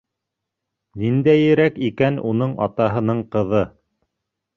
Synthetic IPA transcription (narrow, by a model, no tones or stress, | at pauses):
nind̪æjɘ̆ɾækikænunɤɴʔɑ̰t̪ɑɦɤ̆nɤɴqɤ̆ðɤ